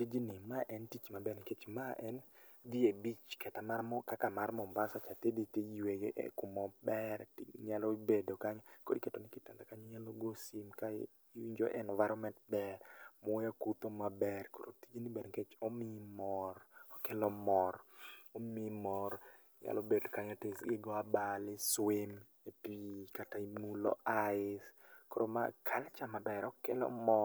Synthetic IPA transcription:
tid͡ʒinɪmaʔɛntit͡ʃmabɛnɪket͡ʃmaʔɛnd̪iebit͡ʃkɛtamarmɔkakamarmɔmbasat͡ʃatediteweɡʔkumɔbɛɾɲalɔbedokaɲko̰diketonɪkɪtɛnd̪akaɲɔɲaloɡosimka | iɲd͡ʒo̰ʔɛ̰nvaɾɔmɛntbɛɾmɔjakut̪omabɛrko̰ɾʔo̰tid͡ʒenibedɡet͡ʃɔmɪmɔrɔkelɔmɔromimɔɾ | ɲa̰lobedkaɲɔtesɡɪɡɔabalɪswim | epikataimulɔ̰aɪskoɾoma̰kʰalt͡ʃamabɛɾɔkelɔ̰mɔ

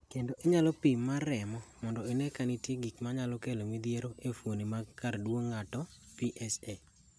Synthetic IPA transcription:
kendoʔeɲalɔpimːaɾɛmɔmɔndɔenekanitjeɡikmaɲalɔkelomid̪jeɾoʔefwonimakardwoŋːatɔ | piʔɛse

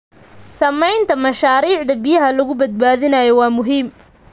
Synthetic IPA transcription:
sɐmɛjnt̪ʰɐmɐʃaːɾiːʕd̪ɐbɪjɐɦɐlʊɣʊbɐd̪̚baːðɪnɐjɔwɑːmʊɦiːm

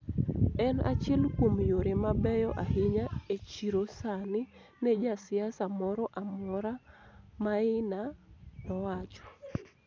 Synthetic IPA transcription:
ɛna̰t͡ʃɪlkwomjoɾemabɛjɔʔahɪɲaet͡ʃiɾosanɪ | nɛd͡ʒasɪasamɔɾɔʔamɔɾamaɪnanɔwat͡ʃɔ̥

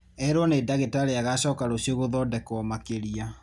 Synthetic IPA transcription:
ɛɾwɔneːdaɣetaɾeaɣaɕɔːkaɾoɕioɣoðɔdɛkɔmakeɾia

